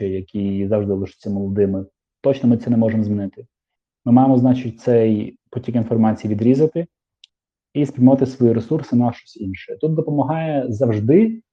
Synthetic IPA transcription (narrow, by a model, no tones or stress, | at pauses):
ɛjɐkʲʰizɐwʐd̪ɪlˠɪʃɪ̥t͡sʲːɐmɔlˠɔd̪ɪmɪ | t̪ɔt͡ʃnɔmɪt̪sɛnɛmɔʐemɔzmʲinɪt̪ɪ | mɪmɑjemɔznɑt͡ʃɪt̚ʲt̪sɛjputʲikʲinfɔrmɑt͡sʲijiʋʲid̪ɾʲizɐt̪ɪ | ispʲɾijmʋɑt̪ɪsʋɔjiɾesursɪnɐʃt͡ʃɔ̥sʲinʃɛt̪ut̪̚d̪ɔpɔmɐɦɑjɛzɐwʐd̪ɪ